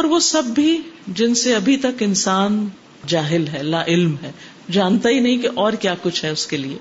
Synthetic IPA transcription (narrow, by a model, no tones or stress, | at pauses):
ɔːɾʋosɐbːʱid͡ʒɪnseɐbʱit̪ɐkɪnsaːn | d͡ʒaːɦɪlɦɛɐlːaʔɪlmɦɛː | d͡ʒaːnt̪aɦinɐɦĩkeʔɔːɾkjaːkʊt͡ʃʰɦɛʊskeliḛː